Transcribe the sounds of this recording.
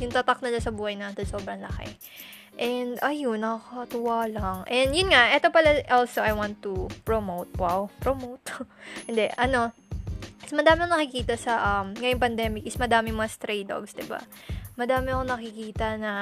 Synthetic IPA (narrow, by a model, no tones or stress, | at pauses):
jʊŋt̪at̪ak̚nɐlasɐbuːhɐjnɐsɐso̞ːbɾɐŋlɐxɛ̰ | ʔɛnd̪ɐjonɐkakɐt̪ʊwaːlɐŋʔɛnd̪jʊnŋaʔɛt̪o̞pɐlaʔolsoʔɐjwant̪ːupɹomowt̪̚wawpɹomowt̪hɪnd̪ɛʔɐno̞ | ɪsmɐd̪aːmɪɐkonɐkikiːt̪ɐsɐʔɐmŋɐjoŋpɐnd̪ɛːmɪk̚ɪsmɐd̪aːmɪŋmɐŋast̪ɾejd̪o̰ɡsd̪ɪba̰mɐd̪aːmɪɐkonɐkikiːt̪ɐnɐ